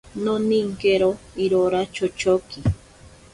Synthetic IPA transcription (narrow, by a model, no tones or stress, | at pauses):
noniŋkeɾoiɾoɾat͡ʃot͡ʃoki